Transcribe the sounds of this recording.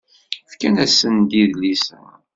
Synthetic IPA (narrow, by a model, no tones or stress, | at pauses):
fkænæsːənd̪iðlisæ̰